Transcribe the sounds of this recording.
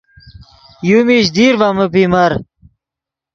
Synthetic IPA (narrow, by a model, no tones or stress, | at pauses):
jumiɕd̪iːɾvaməpimɐɾ